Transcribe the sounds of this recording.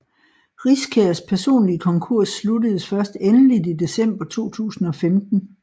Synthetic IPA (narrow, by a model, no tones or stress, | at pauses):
ʁiskʰeɐspʰæɐso̝̰ːnliəkʰɒ̽ŋkʰuɐ̰sːludəð̩ˠsfɶɐsd̥enəlidid̥e̝sem̰b̥ɐt͡sʰo̝̰ːt͡sʰṵːsn̩ɒ̽femd̥n̩